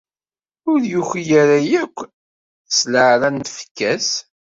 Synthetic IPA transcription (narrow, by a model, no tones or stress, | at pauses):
ʊɾjuçijæɾajækʷː | sləʕɾænt̪fə̥kːæs